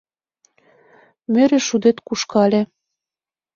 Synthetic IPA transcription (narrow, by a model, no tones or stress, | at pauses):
mɘ̆ɾĕʃud̪et̪kuʃkɑlʲe